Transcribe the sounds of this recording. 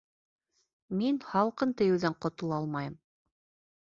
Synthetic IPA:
minhɑlˠqɤnt̪ɘ̆jɘ̆wðæɴqŏt̪ŏlˠɑlˠmɑjɤm

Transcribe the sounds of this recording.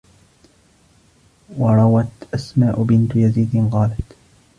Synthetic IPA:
wɑɾˤɑwat̪ʔasmaːʔʊbɪnt̪jaziːd̪ɪnqɑːlat̪

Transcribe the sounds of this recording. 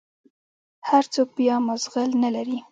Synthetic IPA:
haɾt͡sok̚bjɑmazɣɪlnalaɾi

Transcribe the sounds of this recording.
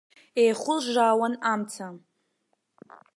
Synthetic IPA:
ejχʷʊlʒʷaːwanamt͡sʰa

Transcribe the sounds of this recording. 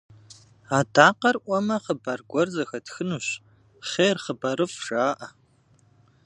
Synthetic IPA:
aːdʰaːqɐrʔʷɔmɐχəbɐrɡʷɔrzɐxɐtxɨnuːɕ | χeːrχəbɐɾɨfʒaːʔɐ

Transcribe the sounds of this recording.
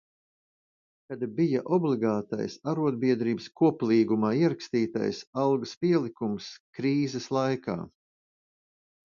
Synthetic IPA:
kad̪bijaʔɔblˠiɡaːt̪a̰jsaɾuɔd̪̚biɛd̪ɾiːbəskuɔplˠiːɡumaːiɛɾakst̪iːt̪a̰jsɑlˠɡspiɛlˠikumskɾiːzɛslˠajka̰ː

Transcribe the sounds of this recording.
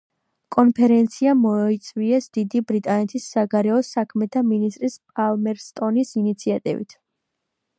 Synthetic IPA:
kʼɔnpʰɛɾɛnt̪sʰiamɔit̪sʼwiɛsd̪̥id̪ibɾit̪ʼanɛt̪ʰisːaɡaɾɛɔsakʰmɛt̪ʰaminist̪ʼɾispʼalmɛɾst̪ʼɔnisinit̪sʰiat̪ʼḭvḭt̪ʰ

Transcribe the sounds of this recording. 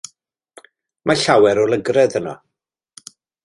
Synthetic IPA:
maɬawɛɾɔlˠəɡrɛðənɔ̰

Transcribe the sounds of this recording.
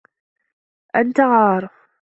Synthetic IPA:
ʔant̪aɣɑːɾˤ

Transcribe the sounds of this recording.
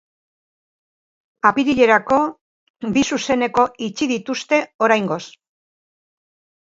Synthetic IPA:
apiɾiʎe̞ɾako̞ | bisuse̞ne̞ko̞ʔit͡ʃiðit̪ust̪e̞o̞ɾajŋɡo̞s

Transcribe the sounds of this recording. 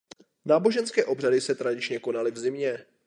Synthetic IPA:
naːbo̞ʒɛnskɛːʔo̞br̝adɪsɛt̪ɾadɪt͡ʃɲɛko̞nalɪvzɪmɲɛ

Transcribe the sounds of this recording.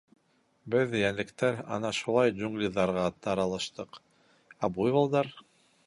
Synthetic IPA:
bɘðjænlɘ̆kt̪æɾɑ̰nɑʃulˠɑjʑuŋɡlʲiðːɑɾʁɑt̪ɑɾɑlˠɑʃt̪ɤq | æbujβɑlˠd̪ɑɾ

